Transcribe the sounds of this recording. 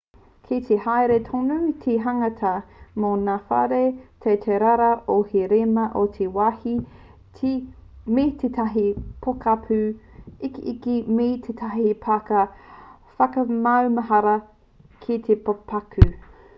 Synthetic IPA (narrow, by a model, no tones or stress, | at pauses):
kʰit̪ʰehajɾetʰonutʰeɦɐŋɐtʰɐmonafa̰ɾetʰetʰeɾaɾɐoheɾemɐʔotʰewahi | tʰimitʰetʰɐɦipʰokapʰʉikiʔikimit̪ʰet̪ʰaɦipʰakɐ | fɐkɐmɐwmɐɦɐɾɐ | kʰit̪ʰepopʰakʰʉ